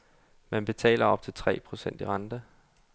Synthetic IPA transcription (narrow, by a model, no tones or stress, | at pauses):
mænb̥e̝t͡sʰɛ̰ːlʔɐɒ̽b̥̚t͡sʰe̝lt͡sʰʁɛ̰ːpʰʁo̝sen̰d̥iʁɑ̈nd̥ə